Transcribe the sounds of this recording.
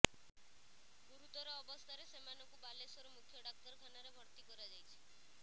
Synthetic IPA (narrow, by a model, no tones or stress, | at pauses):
buɾut̪ɔɾɔːbɔst̪ʰaɾesemanɔkubalesɔɾɔmukʰjɔɖak̚t̪ɔɾkʰanaɾebʱɔɾt̪ikɔɾad͡ʒajt͡ʃʰi̥